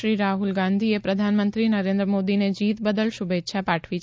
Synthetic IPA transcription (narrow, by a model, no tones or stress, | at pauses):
ɾiɾaɦulɡãnd̪ʱiepɾəd̪ʱanmənt̪ɾinəɾẽnd̪ɾəmod̪ined͡ʒit̪bəd̪əlʃʊbet̪ːʃʰapaʈʰʋi